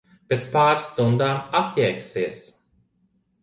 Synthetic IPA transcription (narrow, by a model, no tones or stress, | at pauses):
pʲet̪spaːɾst̪und̪aːmat̪jɛjksiɛs